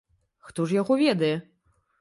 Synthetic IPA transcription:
xt̪ɔʐjaɣɔvʲɛd̪ɐjɛ

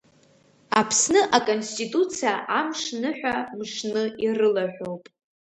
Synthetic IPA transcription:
apʰsnɨʔakʼonstʼitʼut͡sʰiaʔamʂnɨħʷᶣamʂnɨirɨlaʕʷᶣo̞wpʼ

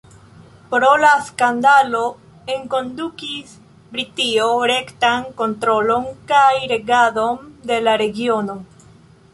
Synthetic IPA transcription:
pɾolaskand̪alo | eŋko̞ndukis | bɾitioɾe̞ktaŋko̞nt̪ɾo̞lo̞ŋkajɾe̞ɡaðo̞nd̪e̞laɾe̞ɡio̞no̞

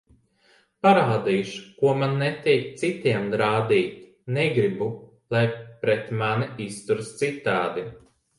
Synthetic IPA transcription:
paɾaːd̪iːʃu̥kuɔmanːɛt̪ɛjk̚t̪sit̪iɛmd̪ɾaːd̪ʲiːt̪ʲ | nɛɡɾibu | lˠajpɾɛt̪maniist̪uɾst̪sit̪aːd̪i

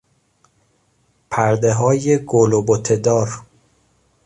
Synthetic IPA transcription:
pʰæɾd̪eɦɒːjeɡolobot̪ʰed̪ɒːɾ

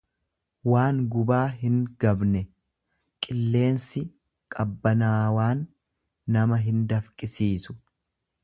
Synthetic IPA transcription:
waːŋɡʊbaːɦɪŋɡɐbnɛ | kʼɪlːe̞ːnsɪ | kʼɐbːɐnaːwaːnː | ɐmɐɦɪnd̪ɐfkʼɪsiːsʊ̥

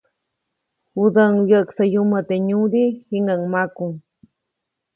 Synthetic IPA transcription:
huðaŋwjaʔksajumat̪eɲuɾihiŋaŋmakuŋ

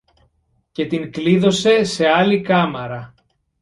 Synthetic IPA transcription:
ce̞t̪iŋkliðo̞se̞se̞ɐlikɐmɐɾɐ

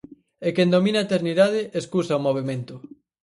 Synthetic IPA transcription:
ekend̪ominɐet̪eɾniðað̞ɪʔeskusaomoβemẽnt̪ʊ

